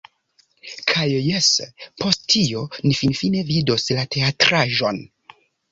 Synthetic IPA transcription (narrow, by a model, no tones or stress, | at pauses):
kʰajːespo̞sttio̞nifinfine̞vido̞slate̞atɾaʒo̞n